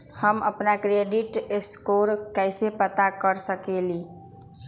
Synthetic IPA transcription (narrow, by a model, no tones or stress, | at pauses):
həməpnakɾeɖiʈeskoɾkəjsepət̪akəɾsəkeli